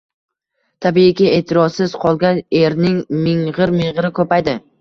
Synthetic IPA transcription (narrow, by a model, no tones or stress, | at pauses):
t̪ʰabiɪkʲɪe̞t̪ʰɪɾɒsɪz̥qʰɒlˠɡʲane̞ɾnɪŋmɪŋʁɨɾmɪŋʁɨɾɪkʰɵpajd̪ɪ